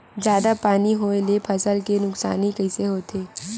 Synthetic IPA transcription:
d͡ʒjaːd̪apaːniɦoːelepʰɐsəlkenʊksa̰ːnikəiseɦoːt̪ʰeː

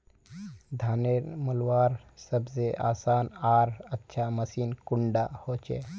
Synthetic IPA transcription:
d̪ʱaːneɾməlwaːɾsəbzeʔaːsaːnaːɾətːʃʰaməsiːnkʊɳɖahot͡ʃḛ

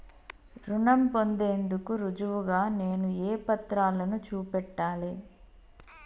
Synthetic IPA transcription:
ɾuɳɐmpo̞nd̪e̞ːnd̪ukuɾud͡ʒuʋuɡaːne̞ːnueːpɐt̪ɾaːlɐnut͡ʃuːpɛʈːaːli

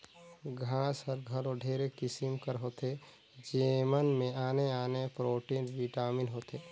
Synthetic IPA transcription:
ɡʱaːshəɾɡʱəloɖʱeːɾekɪsɪmkəɾɦoːt̪e | d͡ʒeːmənmẽaːneaːnepɾoːʈiːnʋiʈaːmɪnɦoːt̪eː

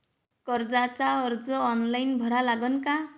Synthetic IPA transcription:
kʌɾd͡zat͡saʌɾd͡zʌːnlajnbʱʌɾalaɡʌnka

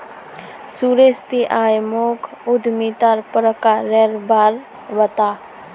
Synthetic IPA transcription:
suɾest̪iʔaːjmokʰʊd̪mit̪aɾpɾəkaɾeɾbaɾ | bət̪aː

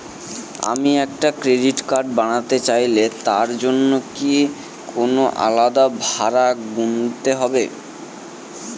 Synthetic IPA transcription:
a̰miɛk̚ʈakɾeɖiʈkaɾɖ̚baɽ̃at̪et͡ɕajlet̪aɾd͡ʑonːoki | konoʔa̰lad̪abʱaɾaɡunt̪eɦɔbe

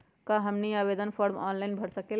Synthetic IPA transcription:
kaɦəmniabed̪ənpʰɔɾmɔ̰nlajnbʱəɾsəkel

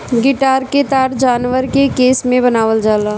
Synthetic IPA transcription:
ɡɪʈaːɾket̪aːɾd͡ʒaːnʋəɾkekeːsmẽbɐnaːʋəld͡ʒaːlaː

